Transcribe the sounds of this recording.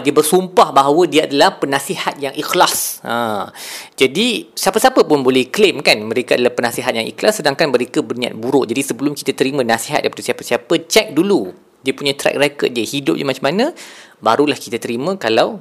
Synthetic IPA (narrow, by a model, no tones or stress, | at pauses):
diəbərsumpahbaɦawədiaadalahpənãsihat̪̚jaŋʔixlasʔã | d͡ʒadisiapasiapəpʊnbolɛhklemkanmə̃ɾekaadalahpənasiɦat̪̚jaŋʔḭklasːədaŋkanməɾekəbərnĩa̰t̪̚buɾʊʔd͡ʒadisəbəlʊmki̥t̪at̪əɾimə̃nasiɦat̪̚daipat̪usiapasiapət͡ʃɛk̚dulu | diəpuɲãt̪ɾɛ̰k̚rekət̪̚diəhidʊp̚ɲəmat͡ʃamanə̃baɾulahkit̪at̪əɾimə̃kalaw